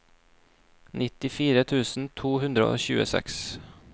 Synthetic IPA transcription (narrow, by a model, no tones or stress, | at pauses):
nɪt̪ːɪfiːɾət̪ʰʉːsnt̪ʰuːɦʉnd̪ɾə̰o̰ɕʉ̰ːə̰sɛ̰ks